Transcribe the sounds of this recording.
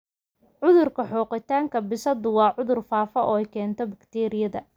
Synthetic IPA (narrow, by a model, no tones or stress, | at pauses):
ʕʊðʊrkʰɐħɔːqɪt̪ʰaːŋkʰɐbɪsɐd̪ʊwɑːʕʊðʊrfaːfɐʔɔ̰ːɛjkʰɛːnt̪ʰɔbɐkt̪ʰɛːɾɪjɐðɐ̰